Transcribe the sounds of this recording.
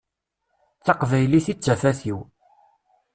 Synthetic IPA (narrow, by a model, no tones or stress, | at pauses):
θɑqvæjliθit͡sːæfæθiw